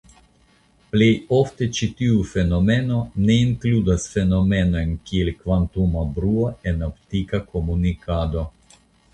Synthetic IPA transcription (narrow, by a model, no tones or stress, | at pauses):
ple̞jo̞fte̞t͡ʃitiufe̞no̞me̞no̞ne̞iŋkludasfe̞no̞me̞no̞jnkielkvantumabɾuae̞noptikako̞munikado̞